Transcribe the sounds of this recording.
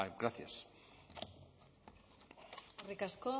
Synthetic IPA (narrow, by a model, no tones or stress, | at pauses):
ɡɾaθja̰s | rikasko